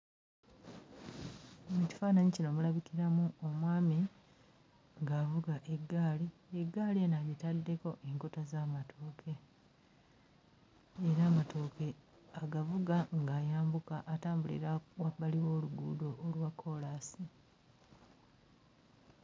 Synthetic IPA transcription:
omuci̥faːnaɲicino̞mulaβikiɾamuomwaːmi | ŋɡaːvuɡaʔeɡːaːlieɡːaːlienaβitadːe̞ko̞ʔe̞ŋko̞tazaːmatʰoːkʰe̞ | ɾaːmato̞ːke̞ | aɡavuɡaŋɡaːjaːmbukaʔːtaːmbulḭɾawaβaliwo̞ːluɡṵːdo̞ːlwakʰːo̞laːsi

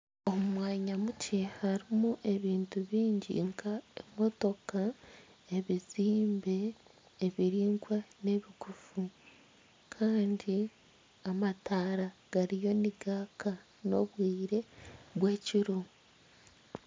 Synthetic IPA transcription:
o̞mumwaːɲamucʰehaɾimuʔe̞βiːntuβiːɲɟḭŋkʰaemo̞to̞ka | eβiziːmbe̞ː | βiɾiːŋɡwane̞βikufu | kʰaːndi | amataːɾaɡ̥aɾijo̞niɡaːka | no̞βwiːɾe̞βwe̞ːciɾo

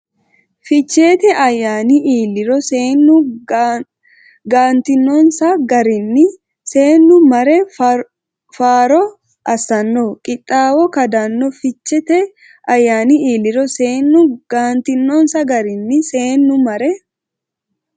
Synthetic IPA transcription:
fɪt͡ʃːe̞ːt̪ɛʔɐjːaːniiːlːɪɾɔseːnːʊ | ɡaːnt̪ɪnːɔnsɐɡɐɾɪnːɪ | se̞ːnːʊmɐɾɛ | faːɾɔ | ʔɐsɐnːokʼɪt̪ʼːaːwɔkɐd̪anːɔfɪt͡ʃːɛt̪ɛ | ɐjːaːniiːlːɪɾɔseːnːʊɡ̥aːnt̪ɪnːoːnsɐɡɐɾɪnːɪse̞ːnːʊmɐɾɛ

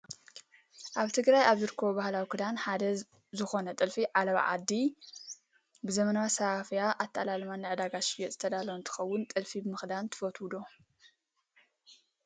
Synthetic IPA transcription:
ʔaβt̪ʰɨɡɾajaβzɨɾɨkʰːɐβobahlawikʰɨd̪anħad̪ɐ | zɨxo̞nɐt̪ʼɨlfiʕalɐβa̰ʕa̰d̪ːi | bɨzɐmɐnawasaʔafɨjaʔat̪ʰːalalmanːɨʕɨd̪aɡaʃbɛt̪z̥ɨt̪ʰɐd̪alɐwnt̪ʰɨ̥xɐwːʊnt̪ʼɨlfibɨmɨxd̪ant̪ʰɨ̥fɐt̪ʰwud̪o

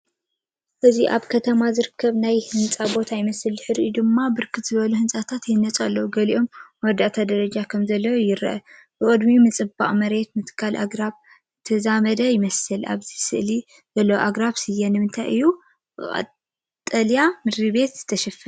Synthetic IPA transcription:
ʔɨziʔaβkʰɐt̪ʰɐmazɨɾɨkʰːɐβnajhɨnt͡sʼabo̞t̪ʰajɪmɐsɨlzɨħɨɾjd̪ɨmːabɨɾkʰɨt̪z̥ɨβɐluhɨnsʼat̪ʰat̪jɪnːɐt͡sʼalːɐwuɡɐliʔo̞mwɔd̪aʔt̪ʰad̪ɐɾɐd͡ʒakʰɐmzɐlːɐwojɪɾʔɐ̰bɨkʼɨd̪mimɨt͡sʼɨba̰ʔʼmɐɾe̞t̪mɨt̪ʰɨ̥kʰːalʔa̰ɡɾaβ | ɨt̪ʰɐzamɐd̪ɐjɪmɐsɨlʔa̰βzisɨʔli | zɐlːɐwoʔaɡɾaβsɨjːɛnɨmɨnt̪ʰajʔɨjːu | ɨʔʼɐ̰ | t̪ʼːɐljamɨɾiβe̞t̪z̥ɨt̪ʰɐʃɐfɐ

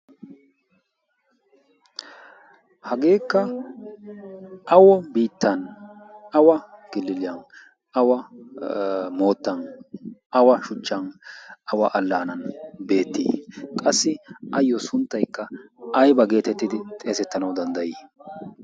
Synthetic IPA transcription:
hɐɡe̞ːkːɐ | ʔɐwɔbiːt̪ːɐn | ɐwɐɡ̥ɪlːɪlɪɐn | ɐwɐ | mo̞ːt̪ːɐn | ɐwɐʃʊt͡ʃːɐnɐwɐʔɐlːaːnɐnbe̞ːt̪ːḭːkʼɐsːɪʔɐjːɔsʊnt̪ːɐjkːɐɐjbɐɡe̞ːt̪ɛt̪ːɪd̪ɪt̪ʼe̞ːsɛt̪ːɐnɐwd̪ɐnd̪ɐjiː

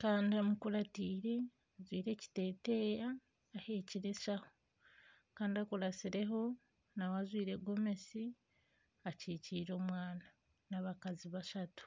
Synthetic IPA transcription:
kaːndiamukuɾatiːɾe̞ | azwiːɾe̞ci̥te̞ːte̞jaː | he̞ciɾe̞ʃaho̞ | kaːndiakuɾasiɾe̞ɦo̞ | nawazwiːɾe̞ɡo̞me̞si | aciciːɾo̞ːmwaːna | naβakaziβaʃatu̥

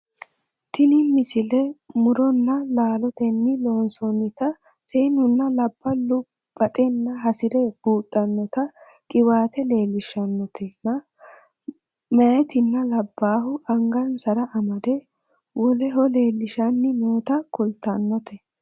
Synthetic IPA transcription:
t̪ɪnɪmːɪsɪlɛmʊɾɔnːɐlaːlɔt̪ɛnːɪlo̞ːnsɔnːɪt̪ɐ | seːnʊnːɐlɐb̥ːɐlʊ | b̥ɐt̪ʼɛnːɐɦɐsɪɾɛb̥uːɗːɐnːɔt̪ɐ | kʼɪwaːt̪ɛle̞ːlːɪʃɐnːɔt̪ʰɛnɐ | mɐʔɛt̪ɪnːɐlɐbːaːɦʊʔɐŋɡɐnsɐɾɐʔɐmɐd̪ɛ | wɔlɛɦɔle̞ːlːɪʃɐnːɪmoːt̪ɐkʊlt̪ɐnːɔt̪ɛ

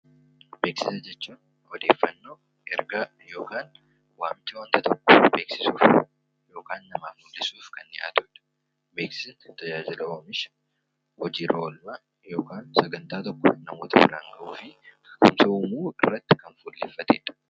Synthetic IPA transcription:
be̞ːksɪsɐd͡ʒɛt͡ʃːuːn | hɔd̪e̞ːfːɐnːo̞ː | ɛɾɡaː | jo̞ːkaːn | waːmt͡ʃɐwɐnt̪ɐt̪ɔkːɔ̥be̞ːksɪsuːf | jo̞ːkaːnːɐmaːmʊd̪ːɪsuːfkɐnːɪʔa̰ːt̪ʊɪᶑɐ̥ | be̞ːksɪnt̪ɐd͡ʒaːd͡ʒɪlɐoːmɪʃɐ̥ | hɔd͡ʒiːɾʔoːlma | jo̞ːkaːnsɐɡɐnt̪aːt̪ɔkːɔ̰nɐmo̞ːt̪ɐbɪɾaːŋɡɐʔuːfɪ | kʊmsɐuːmuːɪrːɐt̪ːɪ̥kɐnfuːlːɛ̰fːɐt̪ḛːᶑɐ̥

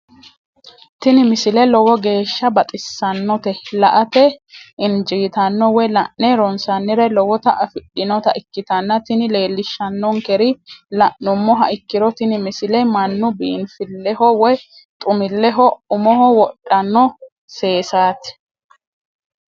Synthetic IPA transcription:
t̪ɪnɪmɪsɪlɛlɔwɔɡe̞ːʃːɐbɐt̪ʼɪsːɐnːɔt̪ɛlɐʔɐt̪ɛʔɪnd͡ʒiːt̪ɐnːɔwɔjlɐʔnːɛɾɔnsɐnːɪɾɛlɔwɔt̪ɐʔɐfɪɗɪnɔt̪ɐʔɪkːɪt̪ɐnːɐt̪ɪnɪle̞ːlːɪʃːɐnːɔŋkɛɾɪlɐʔʊmːɔɦɐʔɪkːɪɾɔt̪ɪnɪmɪsɪlɛmɐnːʊbḭːnfɪlːɛhɔwɔj | t̪ʼʊmɪlːɛɦɔʊmɔɦɔwɔɗːɐnːɔ | se̞ːsaːt̪ɪ̥

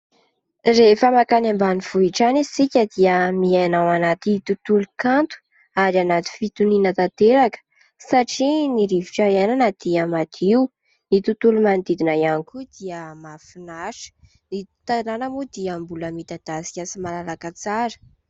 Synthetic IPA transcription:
refəmakanambaniv̥uiʈ͡ʂanisikʲəd̪iəmianawanat̪it̪ut̪ulukant̪u̥ | aɾanat̪i̥fit̪uninət̪at̪eɾakə̥ | saʈ͡ʂiniɾivi̥ʈ͡ʂaɾananad̪̥iamat̪iu | it̪ut̪ulumand̪id̪inajanikud̪̥iəmafinaʃə̥ | i̥ | t̪ananəmud̪iambuləmit̪ad̪̥asi̥kʲasimalalakat͡saɾə̥

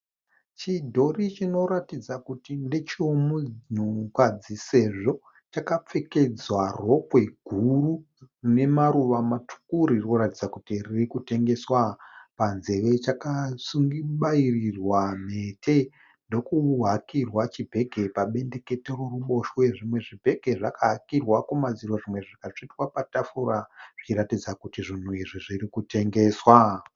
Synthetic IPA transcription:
t͡ʃidʱo̞rit͡ʃino̞ɾatid͡zakutinde̞t͡ʃiomuɲ̤ukad͡zise̞ʐo̞ | t͡ʃakap͡fe̞ke̞d͡zwaro̞pwe̞ɡʱuru | ne̞maɾuʋamatʰu̥kuɾirnoɾatid͡zakutiririkute̞ŋɡe̞swapanze̞ʋe̞t͡ʃakasuŋɡiɓairirwam̤e̞tʰe | ndo̞kuɦakirwat͡ʃibʱe̞ɡʱe̞paɓe̞nde̞ke̞teroruɓo̞ʃweʐimwe̞ʐibʱe̞ɡʱe̞ʐakaɦakirwakumaziɾoʐimwe̞ʐikat͡ʂitwapatafuɾaʐ̥it͡ʃiɾatid͡zakutiʐin̤uiʐiʐirikute̞ŋɡe̞ːswa

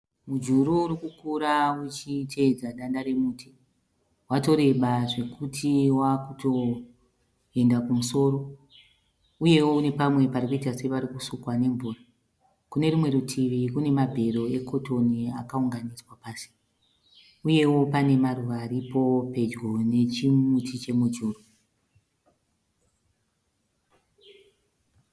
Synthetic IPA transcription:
mud͡ʒuɾuːɾikukuɾaut͡ʃitʰe̞d͡zaɗandaɾe̞muːtʰi̥ | wato̞ɾe̞ɓaʐe̞kutʰiwakuto̞ | e̞ndakumuso̞ːɾo̞ | uje̞woune̞pamwe̞paɾikuitase̞ʋaɾikusukwane̞ɱvuːra | kune̞rumwe̞ɾutʰiʋikune̞mabʱe̞ro̞e̞kʰo̞toniakauŋɡaniswapaːsi̥ | uje̞wo̞pane̞maruʋaːɾipo̞pe̞d͡ʒɡo̞ne̞t͡ʃimutʰit͡ʃe̞mud͡ʒuːru

